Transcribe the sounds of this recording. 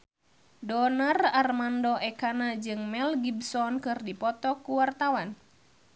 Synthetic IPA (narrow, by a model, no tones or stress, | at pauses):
dɔnararmandɔʔɛkanad͡ʒɨŋmɛlɡibsɔnkɨrdipɔt̪ɔkuwart̪awan